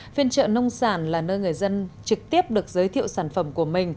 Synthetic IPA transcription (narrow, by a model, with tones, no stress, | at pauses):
fi˧ənt͡ɕə̰ː˧˨nə˧wŋ͡msaː˧˩nlaː˨˩nəː˧jŋɨ˨˩əjzə˧nt͡ɕɨ˨˩k̚t̪i˦˥əp̚ɗɨ˨˩ək̚zəː˨˦jt̪ʰḭ˧˨əwsaː˧˩nfə˧˩mku˧˩əmï˨˩ŋ̟